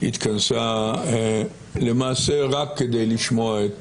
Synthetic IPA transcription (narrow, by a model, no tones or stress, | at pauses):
ḭt̪kansa | lemaːseʁakːed̪ejliʃmoaet̪